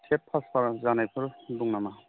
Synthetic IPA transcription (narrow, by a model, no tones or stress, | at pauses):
tʰepʰːaspaɾzanajpʰɯɾduŋnama